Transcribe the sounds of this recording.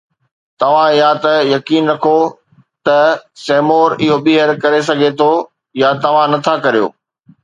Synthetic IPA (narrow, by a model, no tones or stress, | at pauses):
t̪ɐʋ̤ãɪjat̪ɐjɐkiːnɾɐkʰo | t̪ɐseːmoːɾɪɦoɓiɦəɾkɐɾes̬ɐɡʱet̪ʰo | jat̪ɐʋ̤ãnɐt̪ʰakɐɾijo̰ː